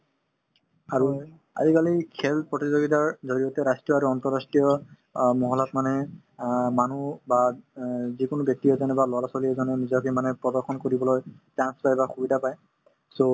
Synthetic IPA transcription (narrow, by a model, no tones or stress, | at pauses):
aɹu | a̰zikalikʰɛlpɹɔtizoɡitaɹzoɹijɔtɛɹastɹijɔaɹuɔntɔɹastɹijɔ | mɔɦɔlɔtmanɛ | manuba | zikʊnʊbjɔk̚tijɔzɔnɛbalɔalasɔliɛzɔnɛnizɔkemanɛpɹɔdɔɹxɔnkoɹibɔlojtanspajbaxubidapaj | so